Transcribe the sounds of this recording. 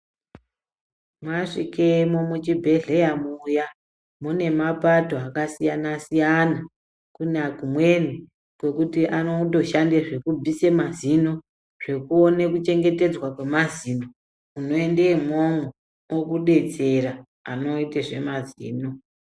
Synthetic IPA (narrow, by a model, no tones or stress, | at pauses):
mwaʂikemomut͡ʃibʱe̞ɮe̞jamuːja | mune̞mapato̞akasijanasijana | kunakumwe̞ni | kwe̞kutiʔanoto̞ʃandeʐe̞kub͡vʱise̞mazino̞ | ʐ̥e̞kuone̞kut͡ʃe̞ŋɡe̞te̞d͡zwakwe̞maziːndo | uno̞e̞ndemwomu | wokuɗe̞t͡se̞ɾa | a̰no̞iteʐe̞mazḭːno̞